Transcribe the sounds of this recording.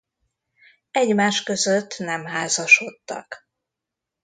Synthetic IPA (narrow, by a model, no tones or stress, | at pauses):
ɛɟmaːʃkø̞zøt̪ːnɛmɦaːzɒʃo̞t̪ːɒ̰k